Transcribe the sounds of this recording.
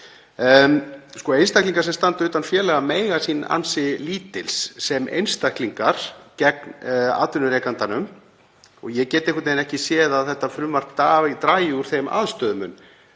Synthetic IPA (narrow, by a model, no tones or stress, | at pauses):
skɔejnst̪akliŋkaɾ̥sɛmst̪ant̪ʏːt̪anfjɛːlɛɣameːjɣasiːna̰nsɪliːt̪ɪlsːɛmʔḛjnst̪akliŋkaɾ̥cɛkna̰ːt̪ʏnʏɾejkant̪anʏm | ɔɣjɛcɛːt̪ɪehkʰːʏt̪nejnɛhcɪsjɛːðaðθɛht̪ːafɾʏmvar̥kt̪aːt̪ɾaːjɪuɾ̥θejma̰ðst̪œːðʏmʏn